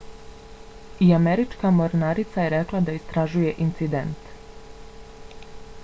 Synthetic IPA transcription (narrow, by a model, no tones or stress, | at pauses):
iameɾit͡ʃkamoɾnaɾit̪saje̞ɾeklˠad̪aist̪ɾaʒuje̞ʔint̪sid̪e̞nt̪